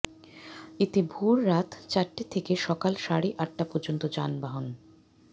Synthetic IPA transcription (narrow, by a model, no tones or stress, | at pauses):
it̪ibʱuɾːat̪ʰt͡ɕaɾʈit̪ʰekeʃɔkalʃaɽiʔaʈːapɔɾd͡ʑont̪od͡ʑanbaɦon